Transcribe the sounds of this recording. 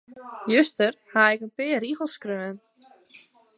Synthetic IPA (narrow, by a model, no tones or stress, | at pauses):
jøstərhaɪkənpɪəriɣəl̩ˠskrøən